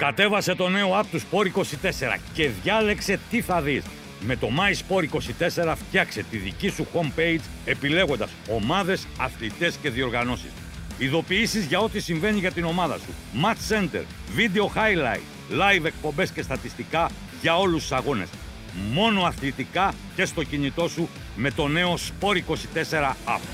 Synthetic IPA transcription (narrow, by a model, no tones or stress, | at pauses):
kɐt̪e̞vɐse̞t̪o̞ne̞o̞ɐpt̪uspo̞ɾiko̞sit̪e̞se̞ɾɐ̰ce̞ðʝɐle̞kse̞t̪iθɐðis | me̞t̪o̞mɐispo̞ɾiko̞sit̪e̞se̞ɾɐft̪çɐkset̪iðicisuxo̞mpe̞jz | e̞pile̞ɣo̞nd̪ɐso̞mɐðe̞sɐθlit̪e̞sce̞ðio̞ɾɣɐno̞sḭs | iðo̞piisizʝɐo̞t̪isiɱve̞niʝɐt̪ino̞mɐðɐ̰sumɐt̪se̞nt̪e̞̰ɾ | vid̪e̞o̞xɐjlɐ̰jt̪ | lɐjve̞k̚po̞mbe̞sce̞st̪ɐt̪ist̪ikɐ | ʝɐo̞lust̪sɐɣo̞ne̞̰s | mo̞no̞ɐθlit̪ikɐ | ce̞st̪o̞cinit̪o̞su | me̞t̪o̞ne̞o̞spo̞ɾiko̞sit̪e̞se̞ɾɐɐ̰f